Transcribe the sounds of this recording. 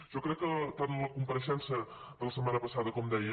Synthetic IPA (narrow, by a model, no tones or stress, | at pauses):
ʒ̥ɔkɾɛkːət̪anləkumpəɾəʃɛnsə | ðələsəmanəpəsaðəkɔmd̪ɛjə